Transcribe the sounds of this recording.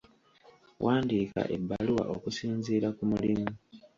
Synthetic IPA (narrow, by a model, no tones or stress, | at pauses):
wʔaːndiːka̰ʔe̞̰bːaluwa̰ʔokusiːnziːɾakumulimu